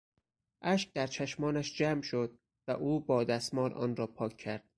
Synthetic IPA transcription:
ʔæʃk̚d̪æɾt͡ʃʰæʃmɒːnæʃd͡ʒæːmʃod̪̚ | væʔuːbɒːd̪æsmɒːlʔɒ̰ːnrɒːpʰɒːkʰːæɾd̪̥̚

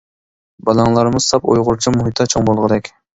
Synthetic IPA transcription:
bɑlˠɑŋlˠɑɾmʊz̥sɑpo̰jʁʊɾt͡ʃʰimuɦit̪ːɑt͡ʃʰoŋbolˠʁɨd̪ɛkʲ

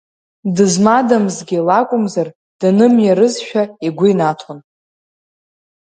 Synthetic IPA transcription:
dɨzmadamzɡʲilakʷʼʊmzar | d̥anɨmjaɾɨzʃᶣaiɡʷʊinatʰon

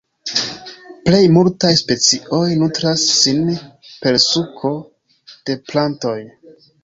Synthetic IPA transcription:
ple̞jmultajspe̞t͡siʔo̞jnutɾasːinpe̞lsukʰo̞ | d̥e̞planto̞j

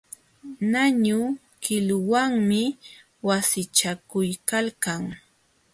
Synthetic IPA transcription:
naɲʊ | kɪlwaŋmɪ | wasɪt͡ʃakʊjkalkaŋ

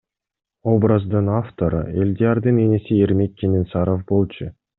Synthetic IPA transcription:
o̞brəzd̪ɯnaft̪o̞ɾɯ̰ḛlʲd̪ʲiaɾd̪ɯnenesieɾme̞k̚ːʲenʲinsaɾofbo̞lˠt͡ʃʰʊ

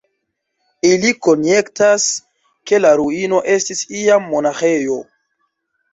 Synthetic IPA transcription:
iliko̞nje̞ktas | ke̞laɾuino̞ʔe̞stisiamːo̞naxe̞jo̞

